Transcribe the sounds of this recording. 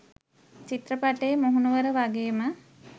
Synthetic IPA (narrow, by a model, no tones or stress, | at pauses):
t͡ʃit̪rəpaʈejmoɦunuʋəɾəʋaɡeːmə